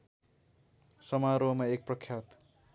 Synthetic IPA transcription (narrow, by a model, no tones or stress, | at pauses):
sʌmaɾomaek̚prʌkʰjat̪